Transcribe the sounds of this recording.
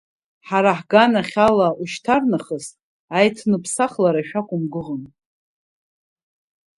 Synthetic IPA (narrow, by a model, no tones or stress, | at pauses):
ħaɾaħɡanaχʲalauʃtʰarnaχəs | ajtʰnɨpʰsaχlaɾaʃᶣakʷʼʊmɡɨʁən